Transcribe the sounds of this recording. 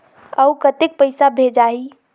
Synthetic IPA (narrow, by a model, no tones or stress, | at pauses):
əukət̪ek̚pəɪsabʱed͡ʒai